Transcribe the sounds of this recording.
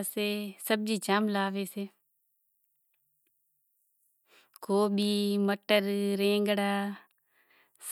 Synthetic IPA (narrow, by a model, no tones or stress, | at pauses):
seːsəb̚d͡ʒiːt͡ʃaːmlaːʋeːseː | koːbiːməʈəɾɾẽːŋɡɽaː | s